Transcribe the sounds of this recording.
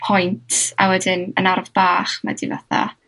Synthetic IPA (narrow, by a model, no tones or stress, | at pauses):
pʰɔjntʰa̰wɛdɪnə̰narvb̥aːχma̰divaθa̰